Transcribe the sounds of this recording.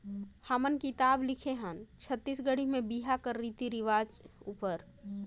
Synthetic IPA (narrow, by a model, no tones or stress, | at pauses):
hamənkit̪aːblɪkʰeɦə̃nt͡ʃʰət̪ːiːsɡəɽimẽbiɦakəɾːit̪iɾɪʋaːd͡ʒuːpəɾ